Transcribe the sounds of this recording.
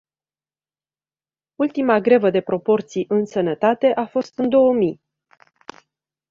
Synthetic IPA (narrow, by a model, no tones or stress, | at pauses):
ult̪imaɡɾe̞vəd̪e̞pɾo̞po̞rt̪sijʔɨnsənət̪at̪e̞ʔafo̞st̪ɨnd̪o̞wəmij